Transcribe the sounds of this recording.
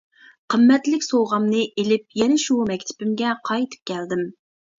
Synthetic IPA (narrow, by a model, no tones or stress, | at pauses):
qʰəmːɛt̪lɪkʲsowˠʁɑmnɨʔelɪp̚jɛnɛʃumɛkʲt̪ʰɪ̥pɪmɡʲɛqʰɑjt̪ʰɨ̥p̚kʲʰæld̪ɪm